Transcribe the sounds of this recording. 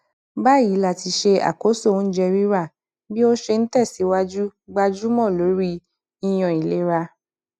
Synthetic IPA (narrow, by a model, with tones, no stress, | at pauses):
ba˦˨i˨˦la˦˨ti˧ʃe˧a̰˨ko˨˦so˦˨˦n̩˦d͡ʒɛ˧ɾi˦ɾa˦˨ | bi˦o˦ʃe˧n̩˦tɛ˦˨si˨˦wa˦d͡ʒu˦ɡ͡ba˧d͡ʒu˦mɔ̃˦˨lo˨˦ɾi˦ | i˧j̃ɔ̃˨i˨le˨˦ɾa˧